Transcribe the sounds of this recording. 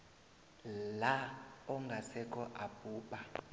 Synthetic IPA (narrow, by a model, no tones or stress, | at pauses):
laɔŋɡʱasɛkʼɔʔab̥ʱuːpʼa